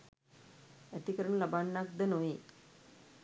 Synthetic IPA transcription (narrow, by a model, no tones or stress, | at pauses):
æt̪ikəɾəɳəlabaɳːak̚d̪ənoʋi